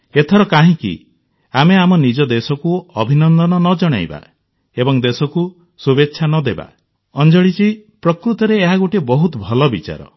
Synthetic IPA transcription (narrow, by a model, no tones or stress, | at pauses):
et̪ʰɔɾɔkaɦĩkḭ | ameamɔnid͡ʒɔd̪esɔkuɔbʱinɔnd̪ɔnɔnɔd͡ʒɔɽ̃a̰jba̰ | ebɔŋd̪esɔku | subetːʃʰanɔd̪eba̰ | ɔnd͡ʒɔɽit͡ʃipɾɔkɾut̪ɔɾeːɦaɡuʈibɔɦut̪ɔbʱɔlɔbit͡ʃa̰ɾɔ̰